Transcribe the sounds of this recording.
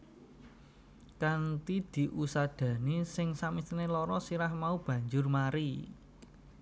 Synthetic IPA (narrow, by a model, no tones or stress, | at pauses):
kant̪id̪̥i̤ʔusad̪̥ä̤nisɪŋsamisinelɔɾɔsiɾahmaub̥ä̤ɲd͡ʒʊrmaɾi